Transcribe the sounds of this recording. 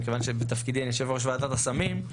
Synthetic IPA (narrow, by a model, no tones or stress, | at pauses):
kevanʃebet̪afkid̪injeʃevoʁʃ̬vaat̪at̪asamim